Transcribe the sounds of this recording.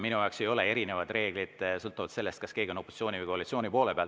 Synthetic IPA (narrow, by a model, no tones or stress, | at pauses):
minujɑˑokse̞jo̞le̞e̞ɾine̞vɑd̪re̞ːɡ̥lid̪̥sɤlt̪ːˑuvɑt̪se̞lːe̞st̪kɑske̞ːɡ̥ʲeo̞noposi̥tsʲˑo̞ːnʲivɨjko̞ɑlit̪sio̞ːnʲipo̞ːlepeɑlt